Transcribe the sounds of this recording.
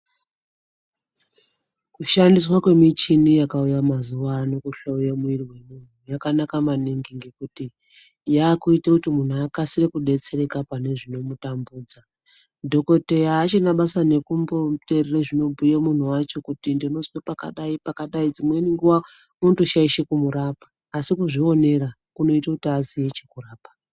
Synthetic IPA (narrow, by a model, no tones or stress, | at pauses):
kuʃandiswakwe̞mit͡ʃinijakaujamazuwanokuɬaujamuirwe̞mun̤ujakanakamaniŋɡiŋɡekuti | jaːkuitakutimun̤uakasirikuɗe̞t͡se̞ɾe̞kapane̞ʐino̞mutambuːd͡za | dʱo̞ko̞te̞jaːt͡ʃinaɓasane̞kumbo̞terereʐino̞bʱujemun̤uwat͡ʃo̞kutindino̞zwepaka̰ɗaipakaɗaid͡zimwe̞niŋɡuwa | mutoʃaiʃekumuɾapḁːsikuʐio̞ne̞ɾa | kuno̞itakutiasiet͡ʃekuraːpa